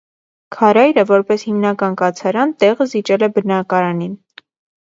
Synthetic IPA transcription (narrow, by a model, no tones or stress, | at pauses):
kʰɑɾɑjɾəvɔɾpɛshimnɑkɑnkɑt͡sʰɑɾɑnt̪ɛʁəzit͡ʃɛlɛbənɑkɑɾɑnin